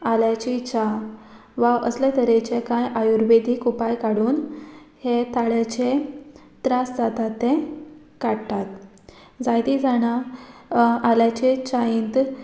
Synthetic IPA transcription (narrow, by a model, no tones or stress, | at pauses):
aljat͡ɕit͡ɕa | ʋaʔəslet̪əɾet͡ɕekãjʔajuɾbed̪ʱikupajkaɽuːnhet̪aɭjat͡ɕe | t̪ɾasd͡zat̪at̪ːẽ | kaɽt̪at̪ | d͡zajd̪id͡zaɽ̃a | aljat͡ɕet͡ɕaint̪